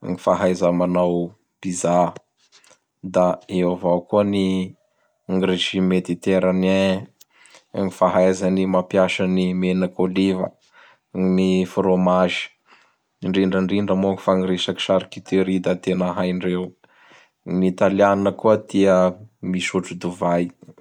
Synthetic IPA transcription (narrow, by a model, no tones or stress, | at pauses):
ŋifaɦajzamanaw | b̥iza | d̪aeavawkuəni | aŋɡɾeʃimed̪it̪eɾane | ŋifaɦajzanimapjaʃanimenəkolivə̰ | nifɾomaʒi̥ | ɳɖ͡ʐiɳɖ͡ʐəɳɖ͡ʐiɳɖ͡ʐəmoki̥faŋiɾeʃaki̥ʃaɾikit̪iɾid̪at̪enəɦajɳɖ͡ʐew | nit̪alianinəkuət̪iəmiʃuʈ͡ʂud̪uvaj